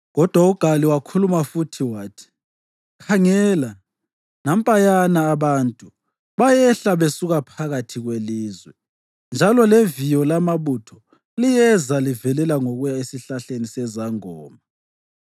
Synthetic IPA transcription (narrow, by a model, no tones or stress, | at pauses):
ɣɔd̥ʱwauɡ̥ʱaliwakʰulumafutʰiwaːtʰi̥ | kʰaŋɛla | nam̩pʼajanaːβantʼu | βajɛɬaβesuɣapʰaɣatʰiɣweliːzwɛ | nd͡ʒʱalɔlevijɔlamaβutʰɔ̥ | lijɛzalivɛlɛlaŋoɣujaesiɬaɬenisɛzaŋɔːma